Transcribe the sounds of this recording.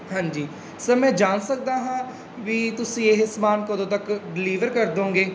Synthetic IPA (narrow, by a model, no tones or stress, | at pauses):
ɦãːɲd͡ʒiː | səɾmɛ̃ːd͡ʒaːnsək̚d̪aːɦãː | ʋiːt̪ʊsĩːeɦɪsmaːnkod̪õːt̪əkɖɪliːʋəɾkəɾd̪õːŋɡeː